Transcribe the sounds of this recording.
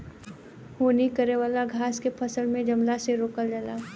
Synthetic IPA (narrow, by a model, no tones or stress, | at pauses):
hoːnikəɾeʋaːlaɡʱaːskepʰɐsəlmẽd͡ʒɐmlaseɾoːkəld͡ʒəlaː